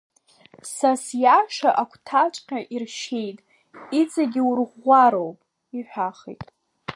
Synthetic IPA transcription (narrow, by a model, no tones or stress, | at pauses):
sasjaʂaʔakʷʰtʰat͡ʃʷʼqʲaʔirʃe̞jtʼ | it͡sʼaɡʲiurʁʷaɾowpʼ | iħʷᶣaχḭtʼ